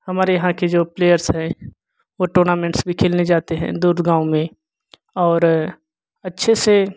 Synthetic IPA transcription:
hɐmaːɾejɐɦãked͡ʒoːpleːjəɾsɦɛ̃ | ʋoʈoːɾnaːmɛ̃ːɳʈsbʱikʰɪːlned͡ʒaːt̪eɦɛ̰̃d̪uːɾd̪ɡãːũmẽ | ɔːɾ | ɐtːʃʰese

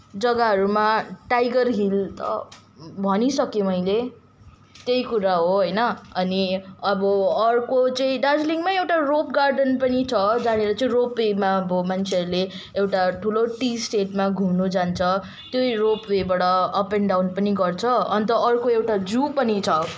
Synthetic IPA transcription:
d͡zʌɡaɦʌɾumaʈajɡʌrɦilt̪ʌ̰ | bʱʌnisʌkjemʌjle | t̪jejkuɾaɦoɦʌjnʌʌniʌbʌʌrkot͡sʌĩɖad͡zliŋmaewʈaropɡarɖʌnpʌnit͡sʰʌd͡zaɽ̃eɾʌt͡sʌĩropwemabomant͡sʰeʌɾule | ewʈaʈʰuloʈisʈeʈmaɡʱumnud͡zant͡sʰʌ | t̪joiropwebaɽʌʌpeɳɖawnpʌniɡʌrt͡sʰʌʌnt̪ʌʌrkoewʈad͡zupʌnit͡sʰʌ

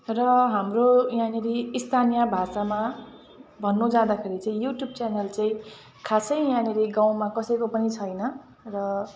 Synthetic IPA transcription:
rʌɦamrojãneɾiːst̪ʰanijabʱasama | bʱʌnːud͡zad̪akʰeɾit͡saĩjuʈjub̚t͡sanelt͡sãĩ | kʰasʌjjãneɾiɡãw̃makʌsʌjkopʌnit͡sʰʌjnʌ | rʌ

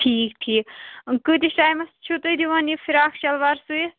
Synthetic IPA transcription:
ʈʰiːk̚t̪ʰiːkɨd̪isʈaːjmɐst͡ʃʰut̪ɨd̪iʋɐnifʰiɾaːkʃɐlʋaɾsui

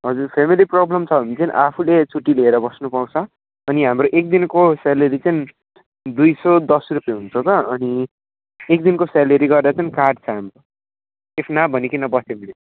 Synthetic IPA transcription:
ɦʌd͡zurpʰemiliproblʌmt͡sʰʌbʌmit͡saĩnʔapʰulet͡sʰuʈːileeɾʌbʌsnupaw̃t͡sʰʌ | ʌniɦamɾoʔek̚d̪inkoselʌɾit͡sʌĩñ | d̪ujsʌd̪ʌsrupjeɦunt͡sʰot̪ʌʌni | ek̚d̪inkosalʌɾiɡʌrd̪at͡sʌinkarɖt͡sʰʌɦamro | epʰnabʱʌnikinʌbʌst̪emile

